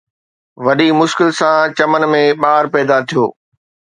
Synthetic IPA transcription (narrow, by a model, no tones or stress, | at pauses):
ʋɐɗimʊʃkɪlsãt͡ɕɐmən̆mẽɓaːɾpɛːd̪at̪ʰijo̰ː